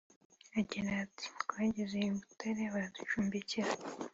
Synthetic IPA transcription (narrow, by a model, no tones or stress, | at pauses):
aɟiɾaːtʰi̥βaːɟezeibutaɾeβaɾadut͡ʃuːmbeciɾa